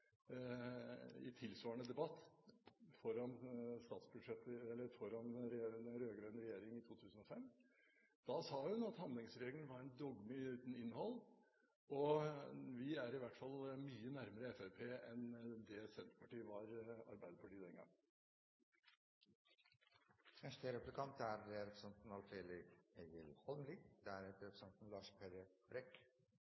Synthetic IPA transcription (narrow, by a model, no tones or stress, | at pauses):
ɪ̰t̪ʰɪlsʋɑːəɳəd̪ɛbɑt̪ː | fɔɾɑnst̪ɑːt̪sbʉd̪ʂɛt̪ːəɛlːəɾfɔɾɑnɾɛenɾøːɡɾœʏnəɾɛjeːɾɪŋɪt̪ʰuːt̪ʰʉːsənɔfɛm | d̪̥ɑsɑːhʉnɑt̪hɑnd̪lɪŋsɾeːɡəlnəʋɑɾænd̪ɔɡmɪʉːt̪n̩ɪnːhɔlː | ɔ | ʋɪæɾɪʋæʈːfɑlmyːənæɾməɾəɛfæpʰeːɛnd̪ɛsɛnt̪ɾə̥pʰɑʈiːəʋɑɾɑ̰ɾbæɪd̪əpʰɑʈiːd̪ɛŋɡɑ̰ŋː | fɛʂʈəɾɛplɪkʰɑnt̪æɾɛɾɛpsɛnt̪n̩ɑlfeːlɪeɡəlhɔlmlid̪ɛæɾɛt̪ɾɛpəsɛnt̪n̩lɑːʂpʰeɾəbɾɛk